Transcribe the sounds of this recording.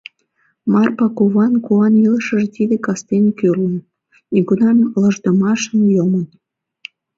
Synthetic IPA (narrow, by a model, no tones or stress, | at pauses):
mɑrpɑkoβɑnkuɑniləʃəʒt̪id̪ekɑst̪enkørlən | neɡunɑnlə̆ʒd̪ə̆mɑʃənjomən